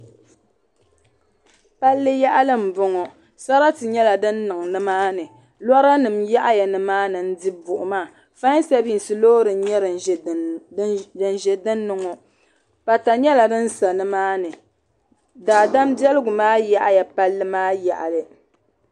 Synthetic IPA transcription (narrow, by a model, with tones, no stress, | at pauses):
pa˦lːɨ˦ja˦ʔa˦lɨ˦m̩˨bʊ˦ŋɔ˨ | sa˦ɾa˦tɨ˨ɲɛ˦la˨dɨ˦nːɨ˨ŋnɨ˦maː˦nɨ˨ | lɔ˦ɾa˦nɨ˨mja˦ʔa˦ja˨nɨ˨maː˦nɨ˨n̩˦di˦bʊ˨ʔʊ˨maː˦˨ | fa˦ɲ˦sa˦bi˦˨n˨sɨ˨loː˦ɾɨ˨n˦ɲɛ˦ɾ | ɨ˨n˨ʒɛ˨dɨ˦nːɨ˨ŋɔ˨ | pa˨ta˨ɲɛ˦la˨dɨ˦n̩˦sa˨nɨ˦maː˦nɨ˨ | daː˨da˦m˦bjɛ˦lɨ˦ɡʊ˨maː˦ja˦ʔa˦ja˨pa˦lːɨ˦maː˦ja˨ʔa˨lɨ˨